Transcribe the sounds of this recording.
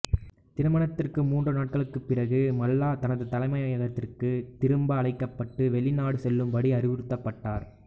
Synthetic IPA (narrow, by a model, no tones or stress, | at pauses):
t̪ɪɾɯmɐɳɐt̪ːɪrkɯmuːndrɯnaːʈ̚kɐɭɯkːɯpːɪrɐɣɯmɐlːaːt̪ɐnɐðɯt̪ɐlɐɪmɐjaːjɐɣɐt̪ːɪrkɯt̪ɪɾɯmbɐːɭɐɪkːɐpːɐʈːɯʋɛɭɪnaːɽɯsɛlːɯmʋɐɽiɐɾɪʋɪɾɯt̪ːɐpːɐʈːaːɾ